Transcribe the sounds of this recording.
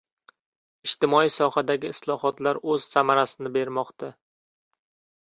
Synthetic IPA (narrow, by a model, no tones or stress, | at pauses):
ɪʃt̪ɪmɒisɒhad̪aɡʲɪɪslˠɒhɒt̪laɾɵz̥samaɾasɪnɪbe̞ɾmɒqt̪ʰa